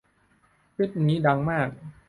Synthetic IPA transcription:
pi˦˥˩t̪̚niː˦˥da˧ŋmaː˥˩k̚

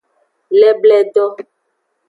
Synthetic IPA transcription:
lɛ˦blɛ˦ɖɔ˦

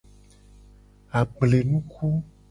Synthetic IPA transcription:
a˨ɡ͡ble˨nũ˦ku˦

